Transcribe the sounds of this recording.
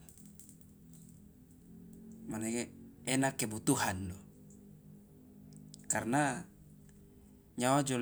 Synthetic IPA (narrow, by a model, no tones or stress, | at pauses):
manekɛnakːebut̪uɦandɔ | karna | ɲawad͡ʒɔl